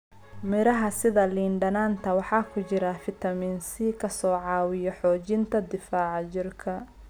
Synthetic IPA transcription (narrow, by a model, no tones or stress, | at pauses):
mɪɾɐɦɐsɪðɐliːɳɖɐnaːnt̪ʰɐwɑħɑːkʰʊt͡ʃɪɾɐfɪt̪ʰɐmiːnsiːkʰɐsɔːʕɑːwɪjɔħɔːt͡ʃɪnt̪ʰɐd̪ɪfaːʕɑt͡ʃɪrkʰɐ